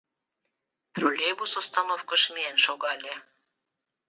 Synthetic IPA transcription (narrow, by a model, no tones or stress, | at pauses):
t̪rolʲeβusost̪ɑnofkə̆ʃmʲienʃoɣɑlʲe